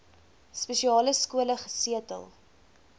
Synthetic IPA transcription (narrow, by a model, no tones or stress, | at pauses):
speʃiɑːləskuələχəsiətə̰lˠ